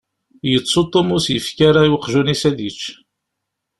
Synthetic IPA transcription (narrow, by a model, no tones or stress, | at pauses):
jət͡sːot̪ˤːomʊsjəfkaɾajwqːʒunisæðit͡ʃː